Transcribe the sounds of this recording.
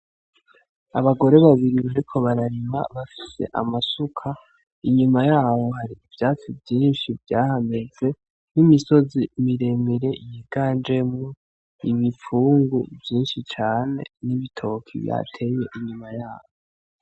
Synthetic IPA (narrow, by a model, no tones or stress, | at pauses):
a̰βaɡo̞ɾe̞βaβiɾiβaɾikʰo̞βaɾaɾima̰βafise̞̰ʔa̰masukʰa | iɲumajaːβo̞haɾiːvjaːt͡sivjiːnʃivjaːhameze̞ | nimiso̞zimiɾe̞miɾe̞ʔijiɡaːnd͡ʒe̞mo | imifuːŋɡṵvjiːnʃit͡ʃaːne̞̰niβitʰo̞kʰḭβja̰ːtʰe̞je̞ʔiɲumajaːβo